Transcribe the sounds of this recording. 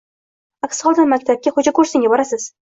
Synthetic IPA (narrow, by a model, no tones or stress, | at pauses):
akʲsχɒlˠd̪ɪnmakʲt̪ʰab̚kʲaχʊd͡ʒakɵɾsɪŋʲabɒɾasɪz̥